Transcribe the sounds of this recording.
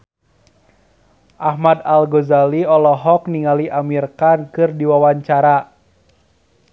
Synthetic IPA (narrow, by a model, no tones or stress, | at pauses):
ʔahmadalɡozaliɔlɔɦɔk̚niŋaliʔamirkankɨrdiwawaɲt͡ʃaɾa